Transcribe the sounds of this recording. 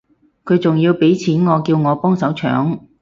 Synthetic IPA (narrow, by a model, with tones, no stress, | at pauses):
kʰɵ˨˧ɥt͡sʊ˨ŋjiː˧wpe˨˥jt͡sʰiː˨˥nŋɔː˨˧kiː˧wŋɔː˨˧pɔː˥ŋsɐ˨˥wt͡ʃʰœ̰ː˨˥ŋ